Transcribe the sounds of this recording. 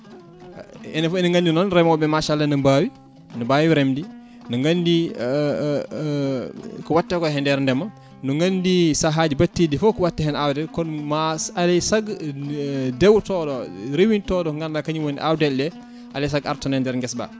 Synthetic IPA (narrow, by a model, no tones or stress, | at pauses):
ɛnfɛniŋɡandinɔnɾɛmɔbɛmaʃalːanɐmbaːwi | nubawiɾɛmdi | nuŋɡandi | kuwatːɛkɔɦɛndɛɾndɛmɐ | nuŋɡɐndisaɦad͡ʒbatːidifɔkuwatːɛɦɛnawdɛlkɔnmaalɛjsaɡ | dɛwtɔːdɔɾewintɔdɔŋɡanlakɐɲiwoniʔawdɛldɛ | ʔalɛjs̬aɡa̰ɾtɔnɛndɛɾŋɡɛsba̰